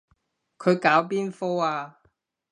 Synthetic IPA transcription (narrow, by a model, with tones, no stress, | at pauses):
kʰɵ˨˧ɥkaː˨˥wpiː˥nfoː˥aː˧